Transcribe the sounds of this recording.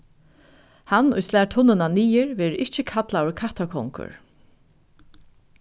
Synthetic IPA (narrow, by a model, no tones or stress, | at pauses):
hanʊ̰jslæːt̪ʰʊnːɪnaniːjɪɹvɛːɾʔɪht͡ʃɪkʰat̪laʊɹkʰaht̪akʰɔŋkʊ̰ɹ